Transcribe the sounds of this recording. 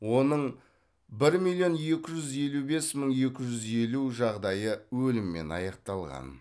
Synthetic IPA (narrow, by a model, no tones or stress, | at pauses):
wo̞nəɴ | bɪɾmilˠjo̞nje̞kʲɪʒʏze̞lube̞sməɴje̞kʲɪʒʏze̞luʒɑʁd̪ɑjəwɵlɪmːe̞̰nɑ̰jɑqt̪ɑlˠʁɑ̰n